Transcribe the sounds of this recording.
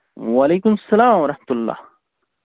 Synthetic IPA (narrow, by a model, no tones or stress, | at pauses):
walejkʊmɐsːɐlaːmwɐɾˤɑħmət̪ʊlːɑ̰ːh